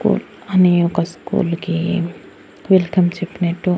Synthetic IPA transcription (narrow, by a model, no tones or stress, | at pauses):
kṵːl | ɐniokaskṵːlki | ʋilkɐmt͡ʃipneʈu